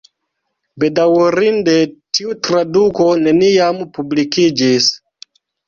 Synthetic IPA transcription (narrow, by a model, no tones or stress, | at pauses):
bedawɾindetiutɾadukone̞nijampublikid͡ʒis